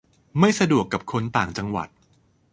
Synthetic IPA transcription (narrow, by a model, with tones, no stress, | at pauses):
ma˥˩jsa˧du˨˩əkːa˨˩p̚kʰo˧nt̪aː˨˩ŋt͡ɕa˧ŋwa̰˨˩t̪̚